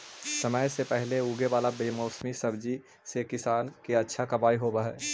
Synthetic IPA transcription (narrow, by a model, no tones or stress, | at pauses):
səməjsepɛɦleuːɡeʋaːlabeːmɔːsmisɐbd͡ʒi | sekɪsaːnkeɐtːʃʰakɐbaːiɦoːbaɦɛː